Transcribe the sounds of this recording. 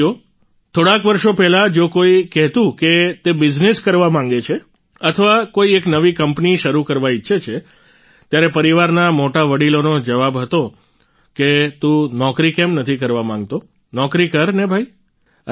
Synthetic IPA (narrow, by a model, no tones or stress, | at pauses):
o | t̪ʰoɽakʋəɾʃopɛɦlad͡ʒokoikɛɦt̪ũket̪ebɪd͡ʒneskəɾʋamãŋ̆ɡet͡ʃʰe | ət̪ʰəʋakoieknəʋikəmpniʃəɾukəɾʋaitːʃʰet͡ʃʰe | t̪jaɾepəɾiʋaɾnamoʈaʋəɽilonod͡ʒəʋabɦət̪o | ket̪ũnɔkɾikemnət̪ʰikəɾʋamãŋɡ̚t̪o | nɔkɾikəɾnebʱai